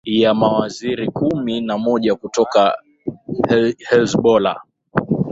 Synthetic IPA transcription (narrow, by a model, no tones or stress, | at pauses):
jamawaziɾikuminamɔʄakutɔka | hɛlsɓɔla̰